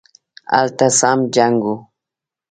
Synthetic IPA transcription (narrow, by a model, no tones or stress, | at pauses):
a̰lt̪asamd͡ʒaŋɡu